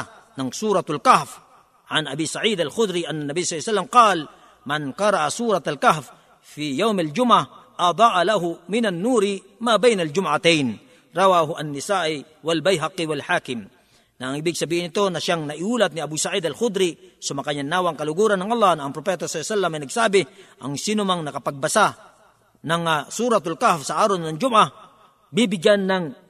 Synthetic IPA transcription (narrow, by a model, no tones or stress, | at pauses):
nɐŋsuːɾat̪alkahf | ʕanʔabisaʕiːd̪alxʊd̪ɾiʔanːanːabijsjsalːamqɑːl | manqɑɾɑʔasuːɾɑt̪alkahf | fijawmald͡ʒʊmʕahʔɑd̪ˤɑːʔalaɦʊmɪnanːuːɾɪ | mabɛjnald͡ʒʊmʕat̪ɛjn | ɾɑwaɦʊʔɐnːɪsaːʔɪ | wɐlbajɦɑqɪwɐlħaːkɪm | naʔːŋɪbɪɡ̚sɐbiːhɪnɪt̪onaʃjaŋnɐʔɪhuːlat̪̚nɪabusaʕid̪alxʊd̪ɾɪsʊmɐkajanaːwaŋkalʊɡuɾanːaŋʔɑlˠˤːɑhnaːŋpɾopɛːt̪asːsalːamajnɐɡsaːbɪʔa̰ŋsiːnʊmaŋnɐkapaɡ̚basa | naŋsuːɾat̪alkahfsaʔaːɾonnɐŋd͡ʒʊmʔa | bibɪɡjanːaŋ